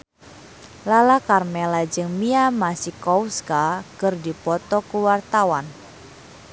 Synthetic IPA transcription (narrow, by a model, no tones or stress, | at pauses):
lalakarmɛlad͡ʒɨŋmiamasikɔwskakɨrdipɔt̪ɔkuwart̪awan